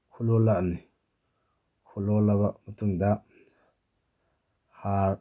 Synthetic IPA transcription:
kʰulɔlaʔni | kʰulɔlaβaʔmət̪uŋd̪aʔ | haɾ

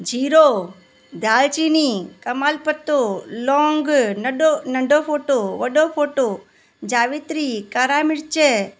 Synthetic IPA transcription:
d͡ʒiɾo | d̪ʱalt͡ʃinikəmalpət̪ːolɔ̃ŋɡnəonəɳɖopʰoʈoʋəɖopʰoʈo | d͡ʒaʋit̪ɾikaɾamɪɾt͡ʃe

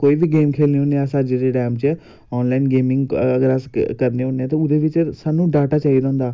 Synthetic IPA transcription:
koːiːbʱiːɡeːmkʰeːlneːɦoːnesaːd͡ʒeɾeʈɛːmt͡ʃː | ɔːnlaːinɡeːmɪ̃ŋɡəɡəɾəskəɾneːɦoːneɛːt̪eʊd̪eːʋɪt͡ʃsaːnũːɖaːʈaːt͡ʃaːid̪aɦːnd̪aː

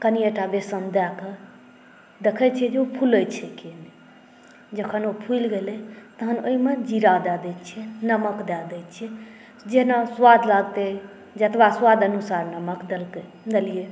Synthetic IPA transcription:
kənieʈabesənd̪ɛke | d̪ekʰət͡ʃʰiɛd͡ʒeopʰulət͡ʃʰɛkeni | d͡ʒəkʰənopʰujlɡelɛt̪əɦənoimed͡ʒiɾad̪ad̪ɛt̪t͡ʃʰɛnəməkd̪ad̪ɛt̪t͡ʃʰiɛ | d͡ʒeɦnaswad̪ʱlaɡt̪ɛ | d͡ʒət̪ʰbaswad̪ənusaɾnəməkd̪elke | d̪elije

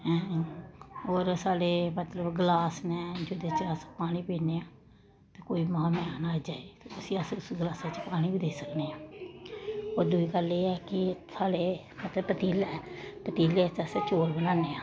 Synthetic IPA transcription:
ɛ̃ː | oːɾsaːɽeːmət̪ləbɡəlaːsnɛ̃ːd͡ʒod̪eːt͡ʃəspaːɽ̃iːpẽːneːaː | t̪eːkoːimãːmɛ̃ːnaːid͡ʒaːet̪oːʊsĩːəsʊsɡəlaːsaːt͡ʃpaːɽ̃iːbiːd̪eːsəkneːaː | oːɾd̪ʊiːɡəleːɛːkɪsaːɽe | mət̪ləbpət̪iːlɛːpət̪iːleːt͡ʃəst͡ʃoːlbənãːneːaː

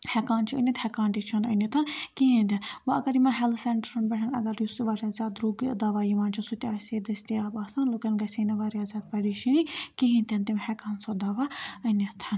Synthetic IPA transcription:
hɛkaːnt͡ʃʰiɐ̰nʲɐt̪hɛkaːnt̪it͡ʃʰɐnɐ̰nit̪ʰɐnkiɦĩnd̪ʲɐnbɐɐɡɐɾjimɐnɦɛlseɳʈɐɾɐnbɐɦʰʲɐnɐ̰ɡɐɾjusiʋaːɾijaːzʲaːd̪ɾuːɡid̪aːʋaːjiʋaːnt͡ʃʰisut̪ʲaːsʲed̪ɐsʲt̪iaːbaːsaːnlokɐnɡɐsʲeːnɐʋaːɾjaːzʲaːd̪̚pɐɾiʃinikiɦĩnt̪ʲɐnt̪imhɛkaːnsod̪aːʋaɐnʲɐt̪ʰɐn

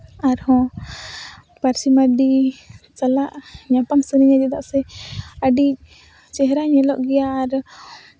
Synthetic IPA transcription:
aɾhɔ̃ | paɾsimaɖisalaʔɲapamsəɾiɲad͡ʒɛd̪aʔsɛəɖiʔ̚ | t͡ʃɛɦɾaɲɛlɔʔɡɛjaːɾ

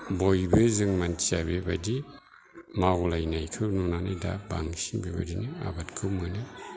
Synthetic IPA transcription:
bojbɯzɯŋmantʰijabebadi | mawlajnajkʰɯnɔnanada̰ba̰ŋsiŋbeba̰dinɯa̰batkʰɯmɯnɯ

